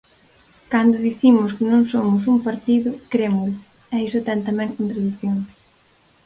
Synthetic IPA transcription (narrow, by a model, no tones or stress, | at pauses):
kand̪ʊðiθimʊskɪnõŋsomʊs̬uŋpaɾt̪iðʊkɾemʊlʊ | ɛisʊt̪ɛnt̪amɛ̃ŋkont̪ɾaðiθjoŋ